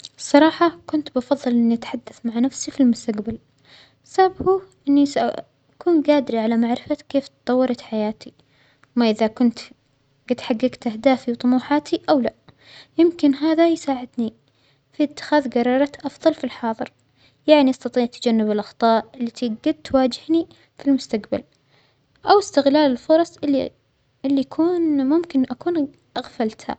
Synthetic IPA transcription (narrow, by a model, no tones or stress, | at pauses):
sˤːɑɾˤɑːħɑkʊnt̪bɑfɑðˤːɨlʔɪnːiʔat̪ħad̪ːaθmaʕanafsifilmʊst̪aqbal | sabhuʔɪnːisaʔa̰ | akuːnɡaːd̪ɪɾiʕalamaʕɾɪfakeːft̪t̪ˤɑwːɑɾˤɑt̪ħajaːt̪i | maʔɪðakʊnt̪ | ɡɪd̪ħaɡːɪɡt̪ʔahd̪aːfiwt̪ˤʊmuːħaːt̪ʰiʔawla | jɪmkɪnɦaːðajsaːʕɪd̪ni | fit̪ːɪ̥xaːðɡɑɾˤɑːɾˤɑt̪ʔɑfðˤɑlfilħɑːðˤɨɾ | jaʕniʔɑst̪ɑt̪ˤiːʕt̪ad͡ʒanːɪbɪlʔɑxt̪ˤɑːʔɪlːit̪ʰiɡad̪̚t̪waːd͡ʒɪhni | filmʊst̪aqba̰l | ʔawɪst̪ɪɣlaːlɪlfʊɾˤɑsˤɪ | ɪlːijakʰuːnmʊmkɪnʔakuːn | ʔaɣfalt̪ha̰